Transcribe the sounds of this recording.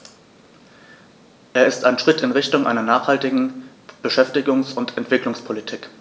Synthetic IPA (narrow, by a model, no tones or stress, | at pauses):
ʔeːɐɪstaɪnʃʁ̥ɪtʰɪnʁɪçtʊŋʔa̰ɪnɐnaːχhaltɪɡŋ̩ | b̥əʃɛftɪɡʊŋsʊntʰɛntv̥ɪklʊŋspʰolitʰiːk